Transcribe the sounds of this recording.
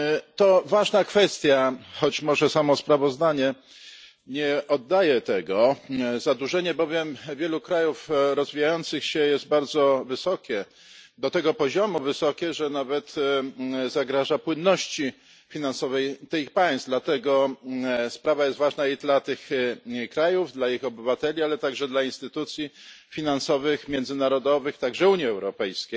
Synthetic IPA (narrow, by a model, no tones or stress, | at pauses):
t̪ɔvaʐnakfɛst̪ʲjaxɔt͡ɕmɔʐɛsamɔspɾavɔzd̪aɲɛ | ɲɛʔɔd̪ːajɛt̪ɛɡɔzad̪uʐɛɲɛbɔvʲjɛmvʲjɛlukɾajufɾɔzvʲijajɔnt̪sɘxɕɛjɛst̪̚baɾd̪zɔvɘsɔkʲɛ | d̪ɔt̪ɛɡɔpɔʑɔmuvɘsɔkʲɛʐɛnavɛt̪ | zaɡɾaʐapwɘnːɔɕt͡ɕi | fʲinansɔvɛjt̪ɘxpaj̃st̪d̪lat̪ɛɡɔ | spɾavajɛst̪vaʐnaid̪lat̪ɘxkɾajuvd̪laixɔbɘvat̪ɛlʲialɛt̪aɡʐɛd̪lainst̪ɘt̪ut̪sʲji | fʲinansɔvɘxmʲjɛndzɘnaɾɔd̪ɔvɘxt̪aɡʐɛuɲiɛwɾɔpɛjskʲej